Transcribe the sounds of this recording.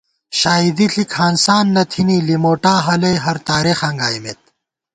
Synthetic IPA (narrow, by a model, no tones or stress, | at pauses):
ɕaːid̪iɬʰikʰaːnsaːnːɐt̪ʰiniːlimoːʈaːɦɐlɐjɦɐɾt̪aːɾixɐŋɡaːjmet̪̚